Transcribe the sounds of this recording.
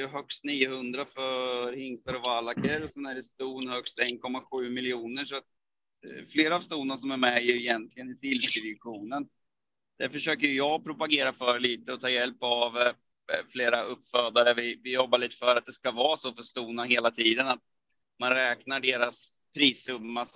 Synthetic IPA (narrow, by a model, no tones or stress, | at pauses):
ɛjɵɦœkst̪niːəhɵnd̪ɾafœɾhɪŋst̪aɾɔvalːakəɾɔsɛnæɖɛst̪uːnhœkst̪ɛnkʰɔmːaɧʉ̟ːmɪljuːnəʂɔat̪̚ | fleːɾaːvst̪uːnnasɔmæɾmɛjɪjɛnt̪ʰlɪɡənɪsɪlvəd̪ɪvɪɧuːnən | d̪̥æɾfœʂøːkəjɵjɑːɡpʰɾʊpaɡeːɾafœɾɭiːt̪əɔt̪ʰɑːjɛlpav | fleːɾaɵpːfœːd̪aɾəvɪvɪjɔbːaɭiːt̪ə̥fœɾat̪̚d̪ɛskavɑːsofœst̪uːnaɦeːlat̪ʰiːd̪ənat̪̚ | manɾɛːknaɖeːɾas | pʰɾiːsɵmːa